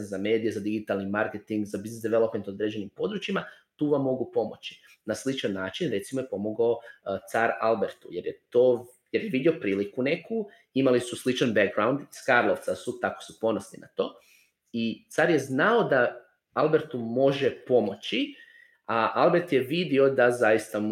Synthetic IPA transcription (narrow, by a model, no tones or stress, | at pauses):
nzame̞ːd̪ije̞zad̪iɡit̪alnimaɾket̪iŋɡzabiznesd̪iʋelˠo̞pment̪od̪ɾed͡ʑe̞nimpo̞d̪ɾut͡ʃima | t̪uːʋamːo̞ɡupo̞mo̞t͡ɕi̥ | naslit͡ʃanːaːt͡ʃinɾe̞t̪simo̞jepo̞mo̞ɡaot̪saɾalbeɾt̪ujeɾjet̪oː | jeɾjeʋid̪io̞pɾiːlikune̞ku | imalisuslit͡ʃanbeɡɡɾawnd̪iskaɾlˠoʋt̪sasut̪ako̥supo̞nosnḭna̰t̪o̞ː | it̪saɾjeznaod̪a | alˠbe̞ɾt̪umo̞ʒe̞po̞mo̞t͡ɕi | aʔalbeɾt̪je̞ʋid̪io̞d̪azajist̪a